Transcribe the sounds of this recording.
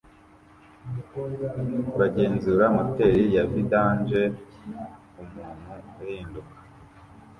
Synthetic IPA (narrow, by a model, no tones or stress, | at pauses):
βaɟeːnzuɾamote̞ɾijavidaːnd͡ʒe | umuːn̥huaɾiːndukḁ